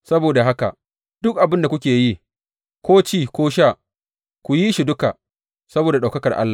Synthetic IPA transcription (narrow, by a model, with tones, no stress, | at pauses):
sɐ˦boː˨da˨ɦa˦ka̰˨ | d̥ʊ˦k̚ʔa˨bɪ˦nda˨kʷʊ˦kʲeː˨ji˦ | kʷoː˦t͡ʃiː˦˨kʷoː˦ʃ̬aː˦˨ | kʷu˨ji˦ʃi˨dʊ˦ka˨ | sɐ˦boː˨da˨ɗa˨kɐ˦kɐ˨rʔa̰˦lːa˨